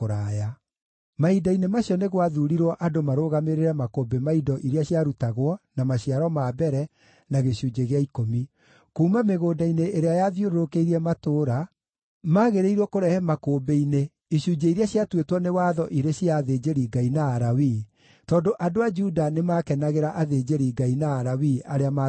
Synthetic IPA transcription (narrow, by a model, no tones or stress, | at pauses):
oɾaːja | maidainemaɕiɔneɣwaðuɾiɾwɔʔadomaɾoːɣameɾeɾɛmakoːbemaidɔʔiɾeaɕjaɾutaɣwɔnamaɕiaɾɔmabɛɾɛ | naɣeɕuːd͡ʒeɣeaikomi | kuːmameɣoːdaineʔːɾeajaðjoɾoɾokeiɾiɛmatoːɾa | maɣeɾeiɾwɔkoɾɛhɛmakoːbeine | iɕuːd͡ʑeiɾeaɕjatwetwɔnewaːðɔʔiɾeɕiaðeːd͡ʑeɾiɡainaːɾawiː | tɔːndoʔadoad͡ʒudanemaːkɛnaɣeɾaʔaðeːd͡ʒeɾiɡainaːɾawiaɾeama